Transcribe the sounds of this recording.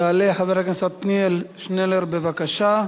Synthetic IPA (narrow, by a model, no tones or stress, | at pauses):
aːleħaveɾakensat̪nielʃneleɾbevakaʃa